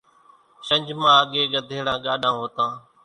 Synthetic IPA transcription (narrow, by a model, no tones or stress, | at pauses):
ʃə̃ɲd͡ʒmãːəɠeːɡəd̪ʱeːɽãːɠaːɗãːɦoːt̪ãː